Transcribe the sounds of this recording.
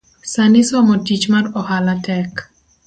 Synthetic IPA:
sanɪsɔmɔtit͡ʃmarɔhalatɛk

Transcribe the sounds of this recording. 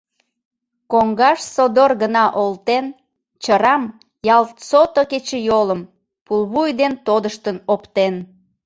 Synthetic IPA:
koŋɡɑʃsod̪orɡənɑʔolt̪en | t͡ɕəɾɑm | jɑlt̪sot̪oket͡ɕejoləm | pulˠβujd̪ent̪od̪əʃt̪ənopt̪en

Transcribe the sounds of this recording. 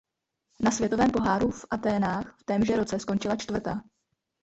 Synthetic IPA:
nasvjɛt̪o̞vɛːmpo̞ɦaːɾufʔat̪ɛːnaːxft̪ɛːmʒɛɾo̞t͡sɛsko̞nt͡ʃɪlat͡ʃt̪vr̩t̪aː

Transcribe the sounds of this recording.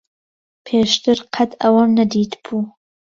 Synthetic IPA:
pʰeːʃt̪ɨɾqʰat̪ʰɐwɐmnɐd̪iːt̪bʰuː

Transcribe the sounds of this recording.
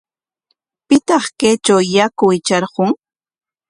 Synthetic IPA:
pɪt̪ɑχkejt͡ʃawjakʊjt͡ʃɑɾɢʊŋ

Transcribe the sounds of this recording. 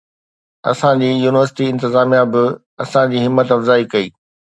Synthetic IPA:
ɐ̰sãd͡ʑiːjuːnɪʋəɾsɪ̥ʈiɪ̃nt̪ɪzaːmijabɪ | ɐsãd͡ʑiːɦɪmːət̪ɐfzaːikɐiː

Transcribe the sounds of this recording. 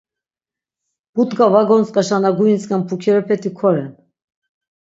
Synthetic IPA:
b̥ut̪ɡavaɡɔnt͡sʼkʼaʃanaɡuint͡sʼkʼampʰukʰɛɾɛpʰɛt̪ʰikʰɔɾɛn

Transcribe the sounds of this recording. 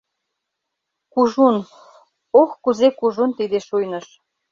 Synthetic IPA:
kuʒun | oxkuzekuʒunt̪id̪eʃujnɤ̆ʃ

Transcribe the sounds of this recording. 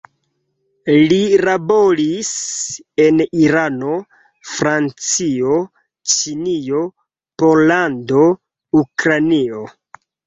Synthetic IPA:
lilabolis | e̞niɾano̞ | fɾant͡sio̞ | t͡ʃinio̞ | po̞lando̞ | ukɾanio

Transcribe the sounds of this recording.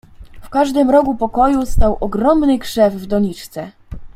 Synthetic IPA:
fkaʐd̪ɘmɾɔkupɔkɔjust̪awʔɔɡɾɔmnɘkʂɛvvd̪ɔɲit͡ʂt̪sɛ

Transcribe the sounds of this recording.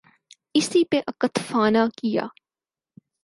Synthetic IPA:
ɪsipẽʔɐkət̪ʰfaːnakɪja̰ː

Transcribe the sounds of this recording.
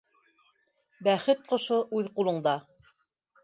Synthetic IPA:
bæχɘt̪̚qŏʃoʔʉðqulˠɤ̆ɴd̪ɑ

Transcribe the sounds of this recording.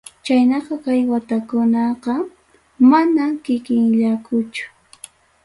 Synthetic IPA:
t͡ʃajnɑqɑkajwat̪akʊnɑqɑ | manamkɪkɪŋʎakʰʊt͡ʃʊ̥

